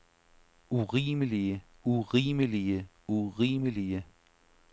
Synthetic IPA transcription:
uʁiːməliə | uʁiːməliə | uʁiːməliə

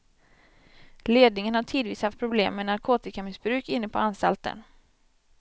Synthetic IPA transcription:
leːd̪nɪŋənhaʈʰiːd̪viːshaft̪̚pʰɾʊblḛːmːɛnaɾkʰoːt̪ɪkamɪsbɾʉ̟ːkɪnːəpʰɔanst̪a̰lt̪ə̰n

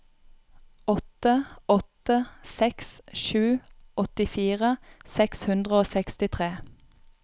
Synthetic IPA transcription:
ɔt̪əɔt̪əsɛksʃʉːɔt̪ɪfiːʁəsɛkshʉnd̪ʁəoːsɛkst̪ɪt̪ʰʁeː

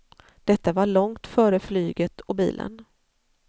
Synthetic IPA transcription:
d̪̥ɛt̪ːavaɭɔŋt̪fœːɾəflyːɡət̪ʰɔbḭːlʔə̰n

